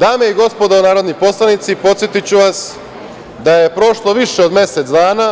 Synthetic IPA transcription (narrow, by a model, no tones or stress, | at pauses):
d̪aːme̞iɡo̞spo̞d̪ounaːɾo̞d̪niposlˠanit̪sipo̞t̪sjet̪it͡ɕuʋas | d̪aje̞pɾo̞ʃlˠo̞ʋiʃeod̪mje̞set̪d̪aːna